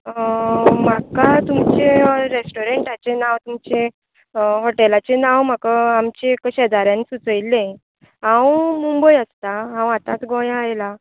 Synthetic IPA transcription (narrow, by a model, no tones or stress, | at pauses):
makat̪umt͡ɕeɾesʈoɾeɳʈat͡ɕenawt̪umt͡ɕe | ɦɔʈɛlat͡ɕenawm̤akaamt͡ɕekɕɛd̪aɾjãnsut͡səjlːẽ | ɦãwmumbəjast̪aɦãwat̪ãt̪ɡɔ̃jãajla